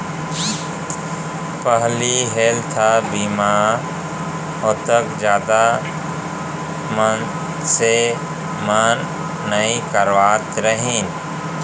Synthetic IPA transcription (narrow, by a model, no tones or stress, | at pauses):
pəɦliɦeːlt̪ʰabiːmaːɾ | ot̪əkd͡ʒjaːd̪a | mən | se | manː | əĩkəɾʋaːt̪ɾəɦĩːn